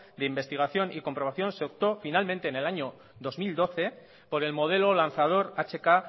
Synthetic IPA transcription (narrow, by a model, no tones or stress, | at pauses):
d̪eimbe̞st̪iɣ̞aθjo̞niko̞mpɾoaθjo̞nseop̚t̪o̞finalmẽnt̪eːne̞laɲo̞ | ðo̞zmild̪o̞θe̞ | po̞ɾe̞lmo̞ð̞e̞lo̞lanθað̞o̞ɾat͡ʃe̞ka